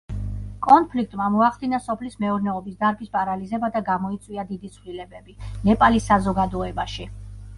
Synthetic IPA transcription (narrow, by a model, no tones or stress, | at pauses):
kʼɔnpʰlik̚ʰt̪ʼmamɔaχd̪inasɔpʰlismɛuɾnɛɔbisd̪aɾbispʼaɾalizɛbad̪aɡamɔit̪sʼwiad̪id̪it̪sʰvlilɛbɛbinɛpʼalisːazɔɡad̪ɔɛbaʃi